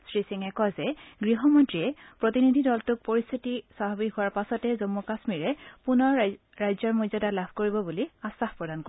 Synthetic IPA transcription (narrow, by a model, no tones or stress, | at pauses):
sɹisiŋɛkɔzɛɡɹiɦɔmɔntɹiɛpɹotinidʱidɔltʊk̚poɹist̪ʰitisaɦɔbihʊwaɹpasɔtɛzɔmːɔkasmiɹɛpunɔɹ | ɹajzɔɹmojzɔdalab̥ʰʱkoɹibɔbuliasahpɹɔdanko